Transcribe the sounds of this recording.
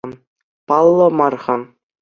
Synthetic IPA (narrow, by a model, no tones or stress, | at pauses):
pɑlˠːɤ̆mɑrʁɑ